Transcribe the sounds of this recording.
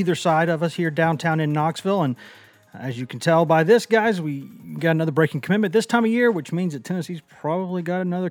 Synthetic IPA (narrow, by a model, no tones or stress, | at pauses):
iðə˞saɪɾʌvʌshiɹdãʊ̃ntʰãʊ̃nɨ̃nːɑksvɪlˠə̃n | ɨzjɨkʰn̩tʰɛlˠbaɪðɪsɡ̥aɪzwiɡɑɾɨnʌðə˞bɹeɪkɪ̃ŋkʰəmɪt̚mɨ̃nðɪstʰãɪ̃mɨjɪɹwɨt͡ʃmĩnzðɨtʰɛnɨsiz̥pʰɹ̥ɑbəbliɡɑɾənʌðə˞